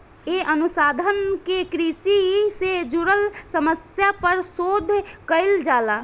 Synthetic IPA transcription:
eʔənusaːd̪ʱənkekɾisised͡ʒuɾəlsəməsjapəɾsod̪ʱkəɪld͡ʒaːla

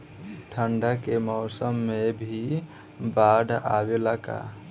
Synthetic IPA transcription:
ʈʰəɳɖəkemɔːsəmːebʱi | baɖʱa̰belaka̰

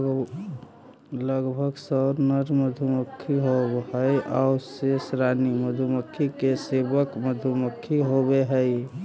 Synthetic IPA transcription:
ləɡbʱəɡsəɾnəɾməd̪ʱuməkʰːiɦoɦəjʔa̰ʊsesɾaniməd̪ʱuməkʰːikesebəkməd̪ʱuməkʰːiɦobeɦəj

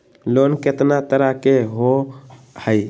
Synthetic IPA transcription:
loːnkɪt̪nat̪əɾakeɦo | həi

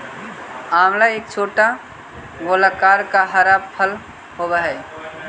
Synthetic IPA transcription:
aːmlaeːk̚t͡ʃʰoːʈa | ɡoːlakaːɾkaɦəɾaːbpʰəl | hoːɡaɦɛː

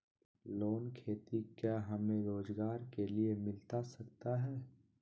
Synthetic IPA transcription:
loːnkʰeːt̪ikjaɦɐmẽɾoːzɡaːɾkeliemɪlt̪asɐkt̪aɦɛː

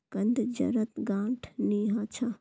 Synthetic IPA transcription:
kɐnd̪d͡ʒɐ̰ɾɐt̪ɡãːʈʰniːɦaːt͡ʃʰa

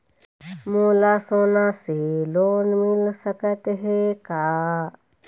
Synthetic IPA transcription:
mulasonaselonmilsɐkɐt̪ɦekaː

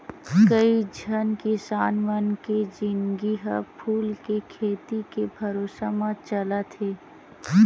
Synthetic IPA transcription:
kəid͡ʒʱənkɪsaːnʋənked͡ʒɪnɡiɦəpʰuːlkekʰeːt̪ikebʱɐɾoːsamãt͡ʃəlat̪ʰeː

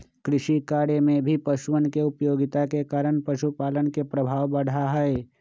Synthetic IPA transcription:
kɾɪʃikaːɽemẽbʱipəʃʊʋənkeʊpjoːɡɪt̪akekaːɾəɽ̃pəʃupaːlənkepɾəbʱaːʋbəɽ̤aɦɛe

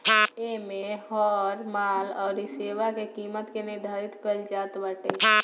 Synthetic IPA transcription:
emehɔːɾmaːlɔːɾiseːʋakekiːmət̪kenid̪ʱaːɾɪt̪kəld͡ʒaːt̪ʋəʈe

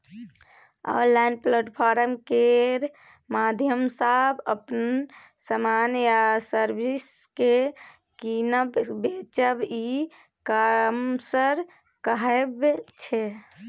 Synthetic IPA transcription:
a̰ːɾlajnpləʈpʰaɾəmkeɾ | mad̪ʱjəmsəbəpn | səmanjasəɾbʱis | ke | kinəbbet͡ʃəbi | kamsəɾ | kəɦɛebt͡ʃʰe

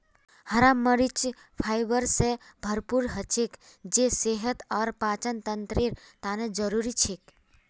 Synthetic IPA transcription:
həɾamːəɾit͡ʃ | pʰajʋəɾsebʱəɾpuɾɦət͡ʃʰek | d͡ʒeseɦət̪əɾpat͡ʃənt̪ənt̪ɾiɾt̪aned͡ʒəɾuɾit͡ʃʰek

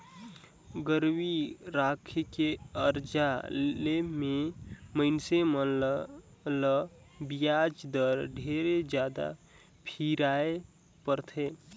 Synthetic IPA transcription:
ɡəɾwiɾakʰkeəɾd͡ʒalememəɪnsemə | lə | bijad͡ʒd̪əɾɖʱeɾed͡ʒjad̪a̰ | pʰiɾae | pəɾt̪ʰe

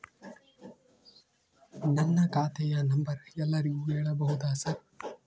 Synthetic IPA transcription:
nɐnːɐkaːt̪ɛjɐnɐmbɐɾɛlːɐɾiɡuːɦɛːɭɐbɐɦud̪aːsɐɾ

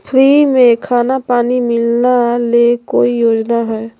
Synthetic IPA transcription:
pʰɾiːmẽkʰaːnapaːnimɪlnalekoːijoːd͡ʒnaɦɛː

